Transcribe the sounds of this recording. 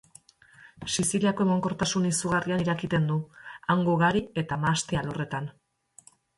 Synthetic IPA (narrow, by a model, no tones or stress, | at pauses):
sisiliako̞e̞moŋko̞ɾt̪asunisuɣarianiɾakit̪e̞nd̪uaŋɡoɣaɾie̞t̪amast̪ialo̞re̞t̪an